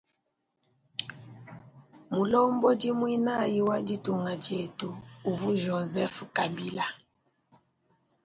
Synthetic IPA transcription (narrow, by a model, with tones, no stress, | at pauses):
mu˨lɔ˦mbɔ˦di˦mwi˦na˦˨ji˦wa˦di˦tu˨ŋɡa˨d͡ʒe˨tuː˨vu˦ʒɔ˨zɛ˦fu˨ka˨bi˦la˨